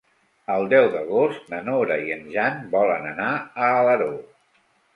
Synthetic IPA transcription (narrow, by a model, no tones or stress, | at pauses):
əlˠd̪ɛwðəɣost̪nənoɾəiənʒanbɔlənənaəːləɾo